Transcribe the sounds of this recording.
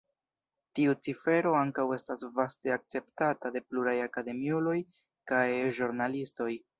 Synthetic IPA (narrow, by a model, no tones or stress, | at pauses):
tiut͡sife̞ɾo̞aŋkawe̞stasvaste̞ak̚t͡se̞ptatade̞pluɾajakade̞miulo̞j | kajʒuɾnalisto̞j